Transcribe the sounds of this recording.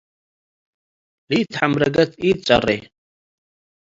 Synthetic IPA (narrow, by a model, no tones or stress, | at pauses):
ɾit̪ʰħamɾaɡat̪ʰiːt͡sʼa̰rɛ̰